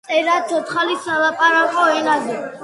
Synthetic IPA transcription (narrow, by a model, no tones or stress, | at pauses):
t̪ʼɛɾasʰɔt̪χalisalˠapʼaɾakʼɔɛnazɛ